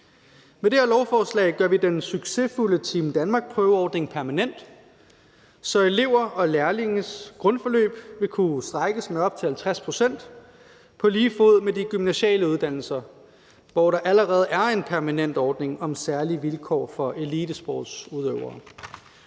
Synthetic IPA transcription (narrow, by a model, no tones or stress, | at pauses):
med̥e̝eɐlɒʊfɒːslɛ̰ɪɡ̥ɶɐʋid̥ensyɡ̥se̝fulət͡sʰiːmd̥ænmɑ̈ːɡ̥spʰʁœːʊəɒːd̥ne̝ŋpʰæɐmænen̰d̥ | sɒ̽e̝le̝ʊ̰ɐʔɒ̽læɐleŋn̩sɡ̥ʁɔ̽nfɒ̽lø̰ːb̥ʋe̝kʰusd̥ʁɑɡ̥əsmeɒ̽b̥̚t͡sʰe̝hælt͡sʰʁaspʰʁo̝sen̰d̥ | pʰɒ̽liːfoð̞̰ˠmediɡ̥ymnæɕɛ̰ːləuð̞ˠd̥æn̰l̩sɐ | ʋɒɾɑ̈ʔæləʁɛːð̞̩ˠʔæɐe̝npʰæɐmænen̰d̥ɒːd̥ne̝ŋɒ̽msæɐliʋilkʰɒ̰ːfɒ̽ʔe̝liːd̥əsb̥ɒ̰ːd̥suðˠøʊɐː